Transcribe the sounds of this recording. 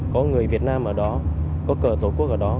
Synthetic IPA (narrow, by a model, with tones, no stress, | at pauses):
kɔ˨˦ŋɨ˨˩əjvi˨˩ət̚naː˧mʔəː˧˩ɗɔ˨˦ | kɔ˨˦kəː˧˩t̪o˧˩ku˦˥ək̚ʔəː˧˩ɗɔ˨˦